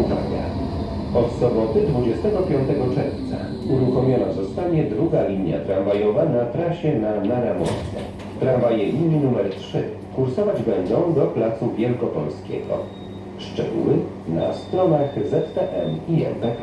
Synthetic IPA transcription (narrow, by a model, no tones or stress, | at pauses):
uva̰ɡa̰ | ɔt̪sɔbɔt̪ɘd̪vud͡ʑɛst̪ɛɡɔpʲjɔnt̪ɛɡɔt͡ʂɛɾft̪sa̰ | uɾuxɔmʲjɔnazɔst̪aɲɛd̪ɾuɡalʲiɲja̰t̪ɾanvajɔvanat̪ɾaɕɛnanaɾamɔ̰t̪sɛ̰ | t̪ɾanvajɛlʲiɲinumɛɾtʂɘ | kuɾsɔvad͡ʑbɛnd̪ɔ̃w̃d̪ɔplat̪suvʲjɛlkɔpɔlskʲɛ̰ɡɔ̰ | ʂt͡ʂɛɡuwɘ | na̰st̪ɾɔnaxzɛt̪ːɛʔɛmiɛ̰npɛa